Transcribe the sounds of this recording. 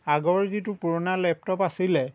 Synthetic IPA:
aɡɔɹzitupuɹɔnalɛp̚tɔpasilɛ

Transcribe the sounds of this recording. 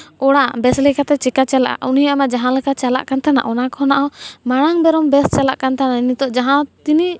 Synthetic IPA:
ɔɽabɛslɛkat̪ɛt͡ʃɛkat͡ʃala̰ʔa̰ʔunijaamad͡ʒaɦãlɛkat͡ʃala̰ʔkant̪ana̰ʔɔnakɔɔnaʔɔmaɽ̃aŋbɛɾɔmbɛst͡ʃalaʔkant̪ananit̪ɔʔd͡ʒaɦãt̪ini

